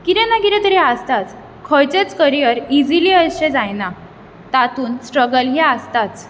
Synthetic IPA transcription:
kiɾɛ̃nakiɾɛ̃t̪əɾiast̪at͡s | kʰəjt͡set͡skəɾijəɾid͡ziliəɕẽd͡zajna | t̪at̪uːnsʈɾəɡəlɦiast̪at͡s

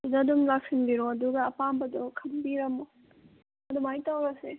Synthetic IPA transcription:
dudadumlak̚sinbiɾuɐduɡɐːpambɐdɔkʰɐmbiɾɐmɔ | ɐdumajtawɾɐse

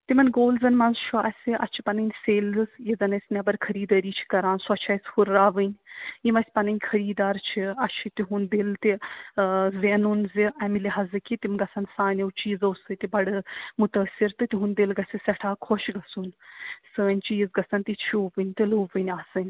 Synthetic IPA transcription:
t̪imɐnɡoːlzɐnmɐnzt͡ʃʰuɐsʲiʔɐ̰t͡ʃʰi̥pɐnɨnʲseːlzɨsjizɐnɐsʲnʲɐbɐɾkʰɐɾiːd̪ɐɾiːt͡ʃʰi̥kɐɾaːnsuɐt͡ʃʰɐsʲhuɾːaːʋɨnʲjimɐsʲpɐnɐnʲkʰɐɾiːd̪aːɾt͡ʃʰiɐt͡ʃʰit̪iɦund̪ilt̪i | zeːnunziɐmiliɦɐzɨkit̪imɡɐsʰɐnsaːnʲɐwt͡ʃiːzɐwsɨt̪ibɐɽɨmut̪əːsʲiɾt̪ɨt̪iɦund̪ilɡɐsʲisʲɐʈʰaːkʰoʃɡɐsunsəːnʲt͡ʃiːzɡɐsɐnt̪it͡ʃʰuːʋɨnʲt̪ɨluːʋɨnʲaːsɨnʲ

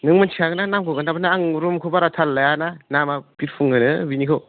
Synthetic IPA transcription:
nɯŋmantʰiaɡɯnanamkʰɯɡanabɯnaːŋɾumkʰɯbaɾatʰalːajananamapiɾpʰuŋɡɯnɯbinikʰɯw

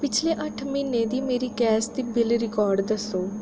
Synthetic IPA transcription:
pɪt͡ʃʰleːʔəʈʰmɪnːeːd̪iːmeːɾiːkɛːsd̪iːbɪlɾɪkɔːɾɖd̪əsoː

